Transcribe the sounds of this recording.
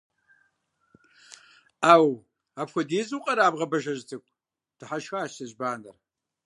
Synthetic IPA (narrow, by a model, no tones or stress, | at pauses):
aːw | aːpxʷɔdeːzuːqʼɐɾaːbʁɐbɐʒɐʑtʰɨkʷʼ | tʰɨħaʃxaːɕɐʑbaːnɐr